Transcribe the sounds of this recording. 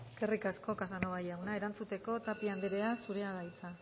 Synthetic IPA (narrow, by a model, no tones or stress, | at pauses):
eske̞rikasko̞kasanoβajawnaeɾant͡sut̪e̞ko̞t̪apiand̪eɾe̞asuɾe̞aðajt͡sa